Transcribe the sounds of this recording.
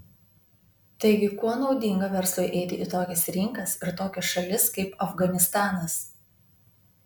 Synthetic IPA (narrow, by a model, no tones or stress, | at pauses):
t̪ɐɪɡʲɪkuɔnɒʊd̪ʲɪŋɡɐʋʲɛɾslˠʊjʔɛɪt̪ʲɪʔɪt̪oːkʲɛsɾʲɪŋkɐsɪɾt̪oːkʲɛsʃɐlʲɪskɐɪpɐfɡɐnʲɪst̪ɑːnɐs